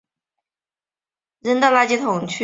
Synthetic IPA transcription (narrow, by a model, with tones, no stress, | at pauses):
ɻə˧˥nt̪ɑ˥˩ʊla˥˩t͡ɕi˥t̪ʰʊ˨˩ŋt͡ɕʰy˥